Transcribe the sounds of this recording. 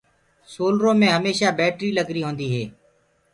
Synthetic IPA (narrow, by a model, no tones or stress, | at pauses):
soːlɾõːmẽːɦəmeːʃaːbɛːʈɾiːləɡɾiːɦõːnd̪iːɦeː